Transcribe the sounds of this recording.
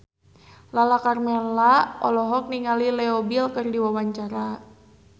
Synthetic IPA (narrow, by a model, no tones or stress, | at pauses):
lalakarmɛnlaɔlɔɦɔk̚niŋalilɛɔbilkɨrdiwawaɲt͡ʃaɾa